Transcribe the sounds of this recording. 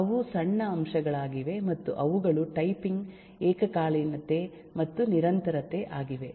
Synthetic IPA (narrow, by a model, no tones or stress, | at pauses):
ɐʋusɐɳːɐːmʃɐɡɐɭaːɡiʋe̞mɐt̪ːṵʔɐʋuɡɐɭuʈɐjpiŋɡ | eːkɐkaːɭinɐt̪e̞ | mɐt̪ːuniɾɐnt̪ɐɾɐt̪e̞ʔaːɡiʋe̞